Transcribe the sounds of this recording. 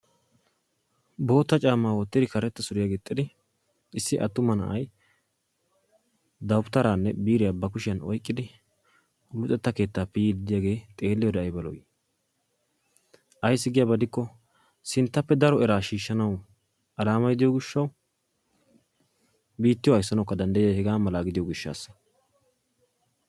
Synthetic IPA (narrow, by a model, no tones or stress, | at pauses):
bo̞ːt̪ːɐt͡ʃʼaːmːaːwɔt̪ːɪd̪ɪkɐɾɛt̪ːɐsʊɾɪjaɡeːt̪ʼːɪd̪ɪ | ɪsːɪʔɐt̪ːʊmɐnɐ̰ʔɐj | d̪ɐwʊpt̪ːɐɾaːnːɛbiːɾɪjabɐkʊʃɪjɐnɔ̰jkʼːɪd̪ɪ | lʊt̪ʼːɛt̪ːɐke̞ːt̪ːaːpɪjiːd̪ɪd̪ɪjaːɡe̞ːt̪ʼe̞ːlːɪjɔd̪ɛɐjbɐlɔ̰jɪ | ʔɐjs̬ːɪɡɪjaːbɐd̪ɪkːɔ | sɪnt̪ːɐpːɛd̪ɐɾɔɛɾaːʃiːʃːɐnɐw | ʔɐlaːmɐjd̪ɪjɔɡɪʃːɐw | biːt̪ːɪjɔɐjsːɐnɐwkːɐd̪ɐnd̪ɐjɐjhɛɡaːmɐlaːɡɪd̪ɪjɔɡɪʃːa̰ːsːɐ̥